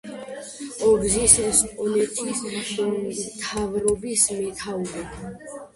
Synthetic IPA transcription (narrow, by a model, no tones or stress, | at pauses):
ɔbzisspʼɔnɛt̪ʰʼis | mt̪ʰavɾɔbismɛt̪ʰauɾɛb